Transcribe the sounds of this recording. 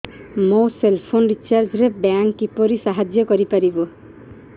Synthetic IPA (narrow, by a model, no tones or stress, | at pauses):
moselpʰonɖit͡ʃaɾd͡ʒɾebaŋkːipoɾisaɦad͡ʒjɔkɔɾipaɾibo